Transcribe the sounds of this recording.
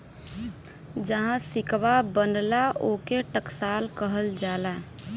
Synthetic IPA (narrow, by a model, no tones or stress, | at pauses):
d͡ʒəɦãsɪkʋabənlaoːkeʈəksaːlkəɦəld͡ʒaːla